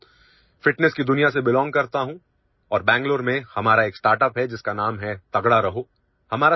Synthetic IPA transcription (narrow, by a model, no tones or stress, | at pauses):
fɪʈnɛskid̪ʊnijasebɪlɔ̃ːŋɡ̚kɐɾt̪aɦũ | ɔːɾbɛ̃ːŋɡloːɾmẽhɐmaːɾaeːksʈaːɾʈəpɦɛd͡ʒɪskanaːmɦɛt̪ɐɡɽaɾɐɦoː | hɐmaːɾa